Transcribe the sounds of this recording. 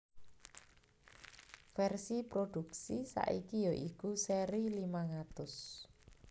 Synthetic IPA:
fɛrsipɾoɖ̪̥uksisa̰ʔikijoʔikuseɾilimaŋat̪ʊs

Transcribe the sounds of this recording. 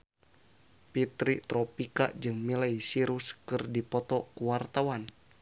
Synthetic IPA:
pit̪ɾit̪ɾɔpika̰d͡ʒɨŋmilaisiɾuskɨrdipɔt̪ɔkuwart̪awan

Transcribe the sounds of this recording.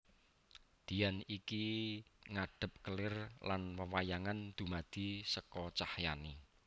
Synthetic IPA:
d̪̥i̤janikiŋaɖ̥ə̤p̚kəlɪrlanwəwajaŋand̪̥ṳmad̪̥i̤səkɔt͡ʃahjani

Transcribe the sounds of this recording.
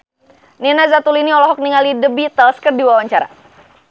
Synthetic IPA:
ninazat̪uliniɔlɔɦɔk̚niŋalidəbit̪ɛlskərdiwawaɲt͡ʃaɾa̰

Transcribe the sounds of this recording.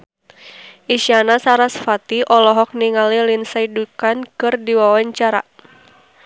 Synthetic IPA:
ʔiʃanasaɾasfat̪iʔɔlɔɦɔk̚niŋalilinsaidukankɨrdiwawaɲt͡ʃaɾa̰

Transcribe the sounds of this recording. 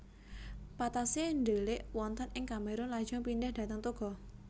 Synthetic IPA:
pat̪aseɳɖelɪʔwɔnt̪ənɪŋkameɾʊnlḁd͡ʒ̥ɔŋpinɖɛhd̥ä̤t̪əŋt̪uɡ̥ɔ̤

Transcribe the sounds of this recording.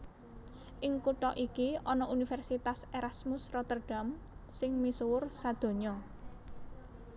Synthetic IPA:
ʔɪŋkuʈɔʔikiɔnɔʔunifɛrsit̪aseɾasmʊsrɔt̪ərɖ̥a̤m | sɪŋmisuwʊrsad̪̥o̤ɲɔ

